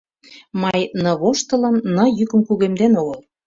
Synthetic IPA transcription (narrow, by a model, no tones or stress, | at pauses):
mɑjnɤ̆βoʃt̪ə̆lɤ̆nːɤ̆jykə̆mkuɣemd̪enoɣɤ̆l